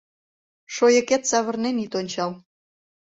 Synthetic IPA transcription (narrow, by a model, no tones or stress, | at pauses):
ʃojə̆ket̪sɑβə̆rnenit̪onʲt͡ɕɑl